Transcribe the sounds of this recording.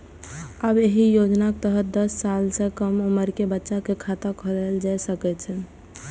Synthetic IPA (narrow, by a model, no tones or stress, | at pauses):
əbeɦijod͡ʒnakt̪əɦəd̪əsːalsẽkəmoməɾkebətːʃakekʰat̪akʰoleld͡ʒajsəkɛt͡ʃʰɛ